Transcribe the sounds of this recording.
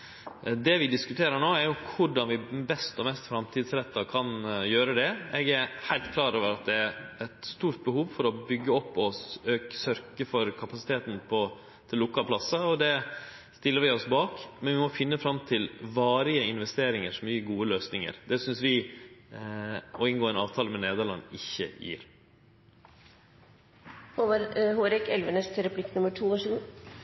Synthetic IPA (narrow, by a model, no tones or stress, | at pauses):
d̪ɛʋɪd̪ɪskʉt̪ʰeːɾəɳoːæɾjʊkʰʊɖɑnʋɪbɛst̪ɔmɛst̪fɾɑmt̪ʰɪːd̪sɾɛt̪ːɑkʰɑnjøːɾəd̪ɛɛɡæɾhæɪlt̪kʰlɑːɾoːʋəɾɑt̪̚d̪ɛæɾɛt̪st̪uːɾʈ̪̚bəhuːʋfɔɾɔbʏɡːəɔpːɔsøːksœɾkəfɔɾkʰɑpɑsɪt̪ʰeːt̪n̩pʰɔ | t̪ʰɪlːʊkːɑlpʰlɑsːəɔd̪ɛ | st̪ɪlːəɾʋɪɔsbɑːkmɛnʋɪmɔfɪnːəfɾɑmːt̪ʰɪlʋɑːɾɪəɪnʋɛst̪eːɾɪŋəʂɔmyːəɡuːəløːsnɪŋə̰ɾd̪ɛsʏnsʋɪ | ɔɪnɡoːɛnɑːʋt̪ʰɑːləmɛneːd̪əɭɑ̰nːɪçːə̰jḭːɾ | hoʋɾhoːɾɪkɛlʋənəst̪ʰɛɾɑpʰlɪkːnʊməʈʰuːʋɑʂɡuː